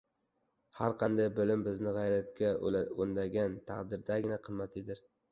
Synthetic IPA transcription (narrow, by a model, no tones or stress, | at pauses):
haɾqʰɑnd̪ajbɪlɪmbɪznɪʁɑjɾat̪kʲʰaond̪aɡʲant̪ʰaqd̪ɪɾd̪aɡʲɪnaqʰɨmːat̪ʰɪd̪ɪɾ